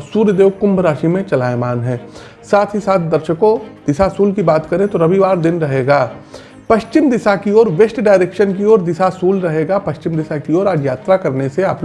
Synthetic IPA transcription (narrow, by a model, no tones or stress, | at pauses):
suːɾəd̪eːʋkʊ̃mbʱɾaːʃimẽt͡ʃɐlaːjmaːnɦɛ̃ː | saːt̪ʰɦisaːt̪ʰd̪ɐɾʃəkõd̪̥ɪsasuːlkibaːt̪kɐɾẽt̪oɾɐʋiʋaːɾd̪ɪnɾɐɦeːɡaː | pɐʃt͡ʃɪmd̪ɪsakiɔːɾʋeʃʈɖaːɪɾeːkʃənkiɔːɾd̪ɪsasuːlɾɐɦeːɡapɐʃt͡ʃɪmd̪ɪsakiɔːɾaːd͡ʒjaːt̪ɾakɐɾneseaːp